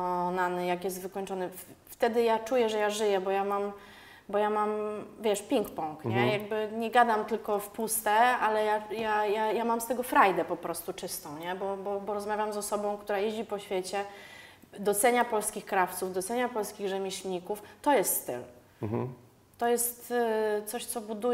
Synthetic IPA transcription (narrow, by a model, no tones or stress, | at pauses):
ɔnanɘjakjɛst̪vɘkɔɲt͡ʂɔnɘft̪ɛd̪ɘjat͡ʂujɛʐɛjaʐɘjɛbɔjamam | bɔjamamvʲjɛʂpʲiŋkpɔ̃ŋkɲɛjaɡ̚bɘɲɛɡad̪amt̪ɘlkɔfpust̪ɛalɛjajajajamamst̪ɛɡɔfɾajd̪ɛpɔpɾɔst̪ut͡ʂɘst̪ɔ̃w̃ɲɛbɔbɔbɔɾɔzmavʲjamzɔsɔbɔ̃w̃kt̪uɾajeʑd͡ʑipɔɕfʲjet͡ɕɛ | d̪ɔt̪sɛɲapɔlskʲixkɾaft̪suvd̪ɔt̪sɛɲapɔlskʲiɣʐɛmʲeɕʲɲikuft̪ɔjɛst̪st̪ɘ̰l | t̪ɔjɛst̪t̪sɔɕt̪sɔbud̪u